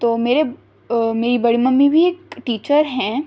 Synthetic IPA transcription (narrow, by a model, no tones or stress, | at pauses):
t̪oːmeːɾe | meːɾibɐɽimɐ̃mːĩbʱieːkʈiːt͡ʃəɾɦɛ̃ː